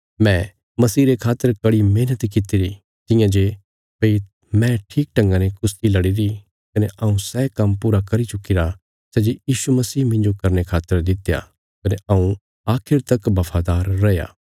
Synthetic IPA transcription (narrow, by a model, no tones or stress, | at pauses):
mɛ̃ | mɐsiːɾekʰaːt̪ːəɾkɐɽimeːnət̪kɪt̪iɾi | t̪ɪ̃jãd͡ʒe | pei | mɛ̃ʈʰiːk̚ʈɐ̃ŋɡãnekʊst̪ilɐɽiɾi | kɐneʔɐũsɛkɐmpuːɾakɐɾit͡ʃʊkɪɾa | sɛd͡ʒejiːʃumɐsiːmɪ̃nd͡ʒokɐɾnekʰaːt̪ːəɾd̪ɪt̪ja̰ | kɐneʔɐũ | aːkʰɪɾt̪ɐkbɐpʰaːd̪aːɾːɐja̰ː